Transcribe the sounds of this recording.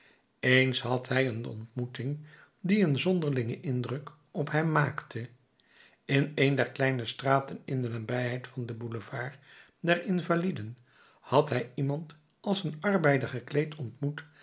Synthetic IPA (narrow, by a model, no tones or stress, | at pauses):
ejnsɦɑtɦɛjənɔ̰ntmutɪŋ | diənzɔndəɹlɪŋəʔɪndrɵk | ɔpɦɛmːaːktə | ɪnejndɛɹklɛjnəstraːtənɪndənaːbɛjɦɛjtfɑndəbuləvaːɹ | dɛrɪnvalidən | hɑtɦɛjimɑnt | ɑlˠsənɑɹbɛjdəχəklejtʰɔntmut